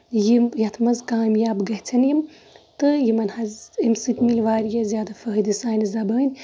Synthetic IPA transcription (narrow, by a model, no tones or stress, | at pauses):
jimjɐt̪ʰmɐzkaːmjaːbɡɐɦt͡sʰɐnjim | t̪ɨjimɐnhɐzimsɨk̪milʋaːɾjɐzʲjaːd̪ɐfɐɦd̪isaːnzɐbɐnʲ